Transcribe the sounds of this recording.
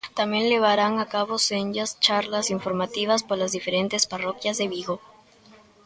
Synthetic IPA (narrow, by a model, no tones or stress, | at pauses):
t̪amje̞nʎe̞βaɾaŋakaβo̞send͡ʒast͡ʃaɾlasiɱfo̞ɾmat̪iβaspoɾlazðife̞ɾe̞nt̪e̞sparo̞kjazðe̞βiɣo̞